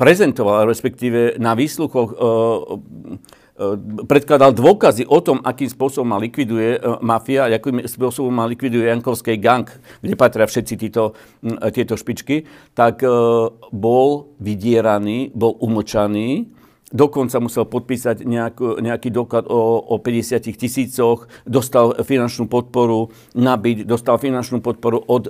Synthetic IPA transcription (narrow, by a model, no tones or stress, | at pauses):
pɾɛzɛnt̪ɔʋalɾɛspɛk̚t̪iːʋɛnaʋiːsluxɔx | pɾɛt̪̚klad̪ald̪ʊɔkaziʔɔt̪ɔmʔakiːmspʊɔsɔbɔmːalikʋid̪ujɛmafiaakimspʊɔsɔbɔmːalikʋid̪ujɛjaŋkɔʊskɛjɡaŋkɡɟɛpat̪ɾɪafʃɛt̪t͡sit̪iːt̪ɔ | t̪ɪɛt̪ɔʃpit͡ʃkit̪ak | bɔlʋiɟɪɛɾaniːbɔlʔumət͡ʃaniː | d̪ɔkɔnt͡samusɛlpɔt̪̚piːsaɟɲɛakuɲɛakiːd̪ɔklad̪ɔɔpɛɟɛsɪacixcisiːt͡sɔxd̪ɔst̪alfinant͡ʃnuːpɔt̪̚pɔɾu | nabiɟd̪ɔst̪alfinant͡ʃnuːpɔt̪̚pɔɾuʔɔd̪